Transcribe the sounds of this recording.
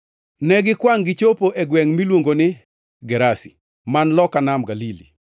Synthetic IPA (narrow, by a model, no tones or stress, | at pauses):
nɛɡɪkwaŋɡɪt͡ʃopoʔeɡwɛŋmilwoŋɡonɪ | ɡɛɾasi | manlɔkanamɡalilḭ